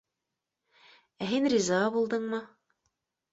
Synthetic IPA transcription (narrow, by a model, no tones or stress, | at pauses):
æɦinrʲizɑʁɑbulˠd̪ɤɴmɤ